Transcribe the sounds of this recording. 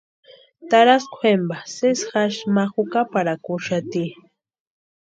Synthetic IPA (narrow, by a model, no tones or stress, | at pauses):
t̪aɾaskʷʰwembasesxaʃmaxukapaɾakʊʃat̪i